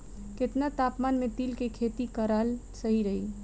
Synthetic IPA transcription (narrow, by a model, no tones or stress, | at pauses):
ket̪nat̪apmanmet̪ilkekʰet̪ikəɾalsəɦiɾəɦi